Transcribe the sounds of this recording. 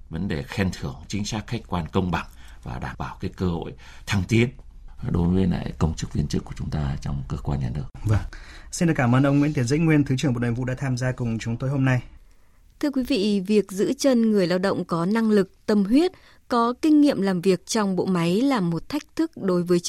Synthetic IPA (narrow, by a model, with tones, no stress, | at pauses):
və˨˦nɗe˨˩xɛ˧nt̪ʰɨ˧˩əŋt͡ɕï˨˦ŋ̟saː˦˥k̚xa˦˥jk̚kwaː˧nkə˧wŋ͡mɓa̰˧˩˨ŋ | vaː˨˩ɗaː˧˩mɓaː˧˩wkaː˨˦jkəː˧ho̰˧˨j | t̪ʰaː˧ŋt̪i˨˦ən | ɗo˨˦jvəː˨˦jla̰ː˧˨jkə˧wŋ͡mt͡ɕɨ˦˥k̚vi˧ənt͡ɕɨ˦˥kːu˧˩ət͡ɕʊ˨˦ŋ͡mt̪aː˧t͡ɕɔ˧wŋ͡mkəː˧kwaː˧nɲaː˨˩nɨ˦˥ək̚və˧˩ŋsi˧nɗɨ˨˩kaː˧˩mʔəː˧nʔə˧wŋwḭ˧˥nt̪i˧˦ən̚zə̰˧˥jŋwi˧ənt̪ʰɨ˨˦t͡ɕɨ˧˩ŋmo˨˩nəː˨˧˩vṵ˧˨ɗaː˧˥t̪ʰaː˧mzaː˧kʊ˨˩ŋ͡mt͡ɕʊ˨˦ŋ͡mt̪o˧jɦo˧mna˧j | t̪ʰɨ˧əkwi˨˦vḭ˧˨vi˨˩ək̚zɨ̰˧˥t͡ɕə˧nŋɨ˨˩əjlaː˧wɗə̰˧˨wŋ͡mkɔ˨˦na˧ŋlɨ˨˩k̚t̪ə˧mɦwi˦˥ət̚ | kɔ˨˦kï˧ŋ̟ŋḭ˧˨əmlaː˨˩mvi˨˩ək̚t͡ɕɔ˧wŋ͡mɓo̰˧˨ma˨˦jlaː˨˩mːo˨˩t̚t̪ʰa˦˥jk̟̚t̪ʰɨ˦˥k̚ɗo˨˦jvəː˨˦j